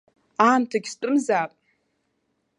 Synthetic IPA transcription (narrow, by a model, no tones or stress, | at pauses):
aːmtʰaɡʲstʼɨmzaːpʼ